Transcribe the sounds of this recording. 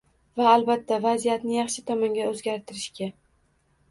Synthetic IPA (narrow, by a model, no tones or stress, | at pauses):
vaːlbat̪ʰːavazijat̪nɪjɑχʃɪt̪ʰɒmɒŋɡʲaɵzɡʲaɾt̪ʰɪɾɪʃkʲa